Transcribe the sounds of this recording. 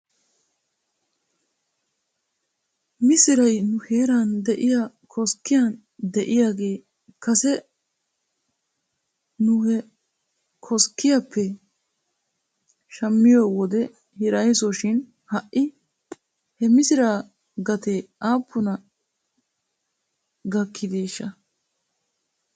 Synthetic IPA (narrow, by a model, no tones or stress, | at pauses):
mɪsɪɾɐjnʊheːɾand̪ɛʔɪja | kʰɔskːɪjaːn | d̪ɛʔɪjaːɡeː | kɐsɛ | nʊhɛ | kʰɔskːɪjapʰːɛ | ʃɐmːɪjoːwɔd̪ɛ | hɪɾɐjsɔʃɪn | hɐʔːɪ | hɛmɪsɪɾaː | ɡɐt̪eːaːpːʊnɐ | ɡɐkʰːɪd̪eːʃːɐ